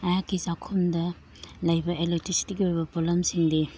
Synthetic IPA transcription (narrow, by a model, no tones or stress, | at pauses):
ɐjakːisakʰumdɐ | lɐjbɐʔelek̚tisi̥tiɡiojbɐpolɐmsiŋdi